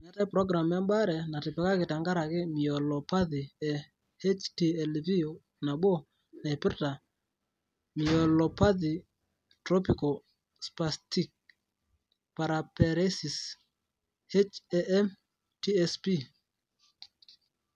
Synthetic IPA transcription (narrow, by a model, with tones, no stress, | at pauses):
ŋa˨˦tɛ˦pɾɔ˦ɡɾa˨mja˦mba˦ɾɛ˨na˨tɪ˨pɛ˨ka˦kɪ˨ta˨ŋɡa˦ɾa˨kɪ˦mi˨ɔ˨lɔ˨pa˦ði˨ɛ˨ | he˦t͡ʃti˦ɛ˨lvi˦o˨ | na˨ɓo˦ | na˨i˨pɪ˦ɾta˨ | mi˨ɔ˨lɔ˨pa˦ði˨ | tɾɔ˦pi˨ko˨ | spa˨sti˦k̚ | pa˨ɾa˨pɛ˨ɾe˦si˨s | he˦t͡ʃɛ˦ʔɛ˦m | ti˦ɛ˦spi˦